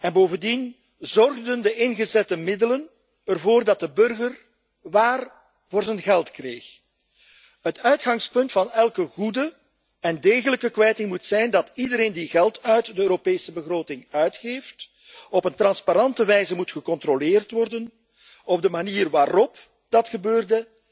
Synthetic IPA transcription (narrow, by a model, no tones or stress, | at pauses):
ɛnboːvəndin | zɔrɣdəndəʔɪnɣəzɛtəmɪdələn | ərvoːrdɑt̚dəbɵrɣər | ʋaːr | voːrzənɣɛlˠtkreːx | ətœɥtxɑŋspɵntfɑnɛlˠkəɣudə | ɛndeːɣələkəkʋɛjtɪŋmutsɛjndɑtidəɾeːndiɣɛlˠtœɥtdəøːɾopeːsəbəɣroːtɪŋœɥtxeːft | ɔpəntrɑnspaɾɑntəʋɛjzəmutxəkɔntrolɪːrtʋɔrdən | ɔb̚dəmaniːrʋaːrɔp | d̥ɑtxəbøːrdə